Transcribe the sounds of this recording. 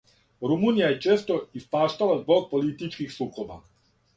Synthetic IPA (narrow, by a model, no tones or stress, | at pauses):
ɾumuːnijaje̞t͡ʃeːst̪o̞ispaːʃt̪alazbo̞ɡ̚po̞lit̪it͡ʃkixslˠuko̞ba̰